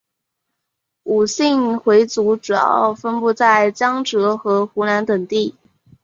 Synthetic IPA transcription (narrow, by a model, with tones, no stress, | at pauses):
u˨˩ɕi˥˩ŋxwe˧˥ɪt͡su˧˥ʈ͡ʂu˨˩jɑ̰˥˧˩ʊfə˥npu˥˧t͡sa˥˩ɪt͡ɕjɑ˥ŋʈ͡ʂɤ˧˥xɤ˧˥xu˧˥na˧˥nt̪ə˨˩ŋt̪i˥˩